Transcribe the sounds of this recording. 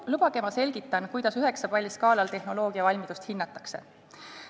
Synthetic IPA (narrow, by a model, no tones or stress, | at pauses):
lub̥ɑɡ̥e̞mɑse̞lʲɡ̥it̪ːˑɑnkujd̪̥ɑsyɦe̞ksɑpɑlʲːis̚kɑːlɑlt̪e̞hno̞lo̞ːɡ̥iɑvɑlʲmid̪ust̪hinːɑt̪ːˑɑ̥kse̞̰